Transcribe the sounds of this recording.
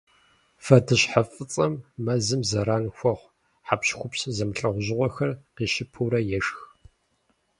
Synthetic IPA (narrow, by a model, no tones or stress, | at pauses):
fɐdʰɨɕħafʼɨt͡sʼɐmːɐzɨmzɐɾaːnxʷɔχʷ | ħapɕxʷʊpszɐmɬʼɐʁʷʊʑɪʁʷɔxɐrqiːʃɪpʰuːɾɐjɛʂx